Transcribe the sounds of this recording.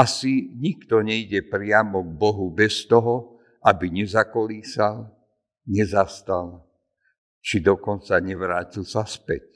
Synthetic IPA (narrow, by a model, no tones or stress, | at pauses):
asiɲikt̪ɔɲɛiɟɛpɾɪamɔɡ̚bɔɦubɛst̪ɔɦɔ | ʔabiɲɛzakɔliːsal | ɲɛzast̪al | t͡ʃid̪ɔkɔnt͡saɲɛʋɾaːcilsaspɛ̰c̚